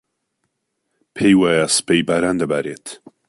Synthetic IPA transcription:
pʰejwaːjasɨ̥pejbaːɾaːnd̪ɐbaːɾeːt̪ʰ

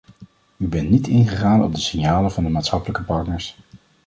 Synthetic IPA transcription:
ybɛntnitɪnχəχaːnɔ̰b̚dəsɪnjaːləvɑndəmaːtsχɑpələkəpɑɹtnəɹs

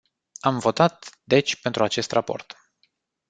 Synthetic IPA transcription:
amvo̞t̪at̪d̪e̞t͡ʃʲpe̞nt̪ɾuat͡ʃe̞st̪rapo̞̰rt̪

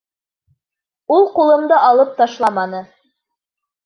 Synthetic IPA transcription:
ulˠqulˠɤ̆md̪ɤʔɑlˠɤp̚t̪ɑʃlˠɑmɑnɤ

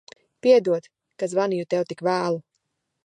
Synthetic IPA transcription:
piɛd̪uɔt̪ | kazvanijut̪ɛwt̪ikvaːlˠu

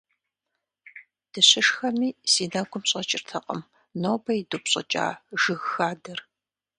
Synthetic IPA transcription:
d̥ɨɕɪʂxɐmiːsiːnaɡʷʊmɕʼɐt͡ʃʼɪrtʰɐqʼə̰m | noːbɐjidupɕʼɐ̰t͡ʃʼa̰ːʒɨɣxaːdɐr

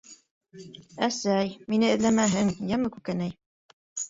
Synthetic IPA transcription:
æsæjminɘɘ̆ðlæmæɦɘŋjæmɘkʉkænæj

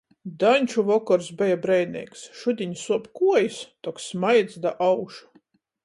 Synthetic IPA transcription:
d̪aɲʲt͡ʃuvɔkɔɾsbɛjabɾɛj̪nʲḭːksʃud̪ʲiɲsuɔpkuɔjst̪ɔksmajd̪zd̪aʔawʃu̥

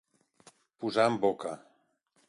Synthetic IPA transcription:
puzaəmboka

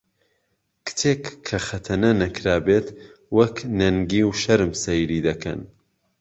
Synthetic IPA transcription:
kʰɨ̥t̪ʰeːkʰːɐxɐt̪ʰɐnɐnɐkɾaːbeːt̪wɐknɐŋɡiːwʃɐɾɨmsɐjɾiːd̪ɐkʰɐ̰n

